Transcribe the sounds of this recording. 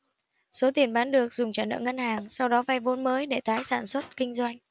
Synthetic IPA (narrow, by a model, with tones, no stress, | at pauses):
so˨˦t̪i˨˩ənɓaː˨˦nɗɨ˨˩ək̚zʊ˨˩ŋ͡mt͡ɕaː˧˩nə̰ː˧˨ŋə˧nhaː˨˩ŋsa˧wɗɔ˨˦va˧jvo˧˦nməː˨˦jɗe˧˩t̪aː˨˦jsaː˧˩nswə˦˥t̚kï˧ŋ̟zwa˧jŋ̟